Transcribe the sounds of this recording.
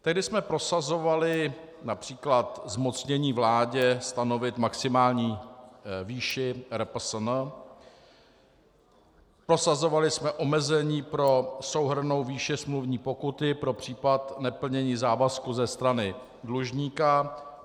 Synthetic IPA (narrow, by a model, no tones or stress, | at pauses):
t̪ɛɦdɪsmɛpɾo̞sazo̞valɪ | napr̝̥iːklat̪zmo̞t͡sɲɛɲiːvlaːɟɛst̪ano̞vɪt̪maksɪmaːlɲiː | viːʃɪɾɛp̩sn | pɾo̞sazovalɪsmɛʔo̞mɛzɛɲiːpɾo̞sowɦr̩no̞wviːʃɪsmluvɲiːpo̞kut̪ɪpɾo̞pr̝̥iːpat̪nɛpl̩ɲɛɲiːzaːvaskuzɛst̪ɾanɪ | dluʒɲiːka